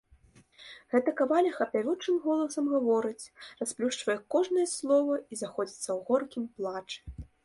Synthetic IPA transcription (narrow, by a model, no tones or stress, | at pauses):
ɣɛt̪ɐkavalʲɐxɐpʲavʲut͡ʂɨmɣɔlˠɐsɐmɣavɔɾɨt͡sʲrasplʲuʂt͡ʂvɐjɛkɔʐnɐjɛslˠɔvɐizaxɔd͡zʲit̪sːɐwɣɔrkʲimplˠat͡ʂɨ̥